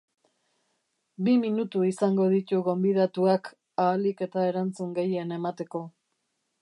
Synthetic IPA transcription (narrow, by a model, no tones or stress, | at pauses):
biminut̪uisaŋɡo̞ðit̪uɣo̞mbiðat̪uak | aːlike̞t̪ae̞ɾant͡suŋɡe̞je̞ne̞mat̪e̞ko̞